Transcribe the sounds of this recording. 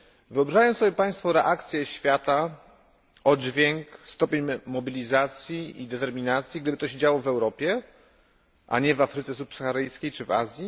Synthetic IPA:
vɘɔbɾaʐajɔ̃sɔbʲjɛpaj̃st̪fɔɾɛʔakt̪sʲjɛɕfʲjat̪a | ɔd͡ʑvʲjɛŋkst̪ɔpʲeɲmɔbʲilʲizat̪sʲjiid̪ɛt̪ɛɾmʲinat̪sʲjiɡd̪ɘbɘt̪ɔɕ̬ed͡ʑawɔvɛwɾɔpʲjɛ | ʔa̰ɲɛvafɾɘt̪sɛs̬upsaxaɾɘjskʲejt͡ʂɘva̰zʲji

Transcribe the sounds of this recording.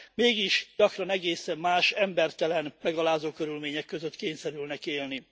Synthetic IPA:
meːɡiʃɟɒkrɒnɛɡeːsɛmːaːʃɛmbɛrt̪ɛlɛnmɛɡɒlaːzoːkøɾylmeːɲɛkːøzøt̪keːɲsɛɾylnɛkeːlni

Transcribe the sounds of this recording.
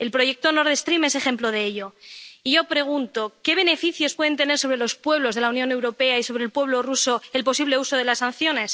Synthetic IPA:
e̞lpɾo̞ʝe̞k̚t̪ono̞ɾðe̞st̪ɾime̞se̞χe̞mplo̞ðeeʎoiʝo̞pɾe̞ɣ̞unt̪o̞ke̞β̞e̞ne̞fiθjo̞spwe̞ð̞e̞nt̪e̞ne̞ɾso̞β̞ɾe̞lo̞spwe̞β̞lo̞zðe̞launjone̞wɾo̞pe̞aiso̞βɾelpwe̞βlo̞ruso̞e̞lpo̞siβle̞uso̞ðe̞lasanθjo̞ne̞s

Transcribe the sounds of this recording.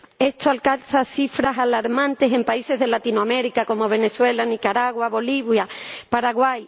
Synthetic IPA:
e̞st̪oalkansaθifɾasalaɾmãnt̪e̞se̞mpaise̞zð̞e̞lat̪inoame̞ɾikako̞mo̞β̞e̞ne̞swe̞lanikaɾaɣwaβo̞liβjapaɾaɣwaj

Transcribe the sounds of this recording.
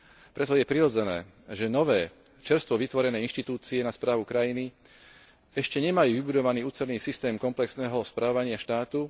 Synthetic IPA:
pɾɛt̪ɔjɛpɾiɾɔd͡zɛnɛː | ʒɛnɔʋɛː | t͡ʃɛɾst̪ʋɔʋit̪ʋɔɾɛnɛːinʃt̪it̪uːt͡siɛnaspɾaːʋukɾajini | ɛʃcɛɲɛmajuːʋibud̪ɔʋaniːuːt͡sɛɾniːsist̪ɛːmkɔmplɛksnɛːɦɔspɾʔaːɔʋaɲɪaʃt̪aːt̪u

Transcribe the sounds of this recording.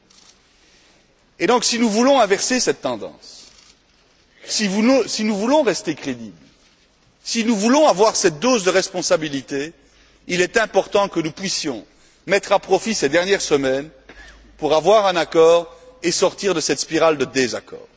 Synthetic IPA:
ed̪ɔ̃ksinuvulɔ̃ɛ̃vɛʁsesɛt̪ːɑ̃d̪ɑ̰̃s | isinuvulɔ̃ʁɛst̪ekχed̪iːbl | sinuvulɔ̃avwaʁsɛt̪̚d̪ozd̪əʁɛspɔ̃sabilit̪e | ilɛt̪ɛ̃pɔʁt̪ɑ̃kənupɥisjɔ̃ | mɛt̪χapχɔfisɛd̪ɛʁnjɛʁsəmɛn | puʁavwaʁɛ̃nakɔːʁesɔʁt̪iːʁd̪əsɛt̪spiʁald̪əd̪eza̰kɔ̰ːʁ

